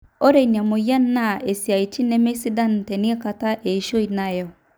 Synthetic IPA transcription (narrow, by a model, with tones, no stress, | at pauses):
o˦ɾe˦˨i˨n˨a˨mo˨ja˦n˦na˦˨e˨si˨a˨i˨t͡ʃi˦nɛ˦me˦si˦da˦n˨te˨ni˦e˦ka˨ta˦ʔe˨i˦ʃo˦i˨na˦˨jɛ˦˨